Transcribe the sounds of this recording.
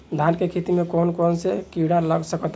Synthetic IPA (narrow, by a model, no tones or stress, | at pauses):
d̪ʱankekʰet̪imekonkonsekiɽaləɡsəkɔt̪